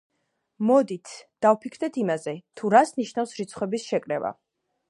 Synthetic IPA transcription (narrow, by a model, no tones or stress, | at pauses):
mɔd̪it̪ʰd̪̥avpʰikʰɾd̪ɛt̪ʰimazɛt̪ʰuɾasniʃnafsɾit̪sʰχwɛbisʃɛkʼɾɛva̰